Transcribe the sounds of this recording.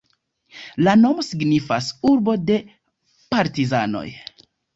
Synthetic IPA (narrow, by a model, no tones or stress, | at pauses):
lano̞mosiɡnifasuɾbo̞de̞ | paɾtizano̞̰j